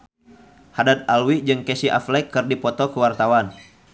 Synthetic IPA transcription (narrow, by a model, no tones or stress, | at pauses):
hadat̪̚alwid͡ʒɨŋkɛsiʔa̰flɛkːɨrdipɔt̪ɔkəwart̪awan